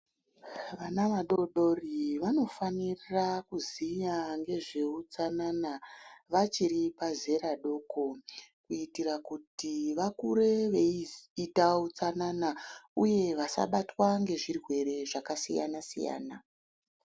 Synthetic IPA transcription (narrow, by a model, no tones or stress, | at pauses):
ʋanaʋaɗo̞ɗo̞riʋano̞fanirakuziɲaŋɡe̞ʐe̞ut͡sananaʋat͡ʃiɾipaze̞ɾaɗo̞ːkokuitirakutiʋakuɾe̞ʋeitaut͡sananauje̞ʋasa̰ɓatwaŋɡe̞ʐirwe̞ɾe̞ʐakasija̰nasḭja̰ːna